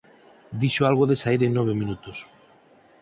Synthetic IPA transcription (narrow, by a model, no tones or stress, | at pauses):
d̪iʃoalɣ̞oðesaiɾenːoβ̞emĩnut̪us